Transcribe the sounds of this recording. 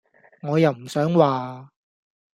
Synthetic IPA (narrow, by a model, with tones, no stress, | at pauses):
ŋɔː˨˧jɐ˨wm̩˨˩sœː˨˥ŋwaː˨